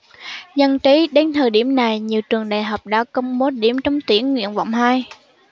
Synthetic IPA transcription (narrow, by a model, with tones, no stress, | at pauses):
zə˧nt͡ɕi˨˦ɗe˨˦nt̪ʰəː˨˩jɗi˧˩əmna˨˩jɲi˨˩əwt͡ɕɨ˨˩əŋɗa̰ː˧˨jɦaː˨˩wk͡p̚ɗa̰ː˧˥kə˧wŋ͡mɓo˨˦ɗi˧˩əmt͡ɕɔ˧wŋ͡mt̪wi˧˩ənŋwḭ˧˨ənva̰˧˨wŋ͡mhaː˧j